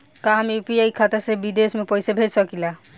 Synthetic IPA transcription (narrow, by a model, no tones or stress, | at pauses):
kaɦampiaikʰat̪esebid̪esmepɔjsebʱed͡ʒsɔkila